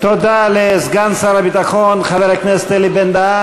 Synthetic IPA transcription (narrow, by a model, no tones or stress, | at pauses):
t̪od̪alezɡansaɾabit̪aχonχaveɾaknest̪elibend̪a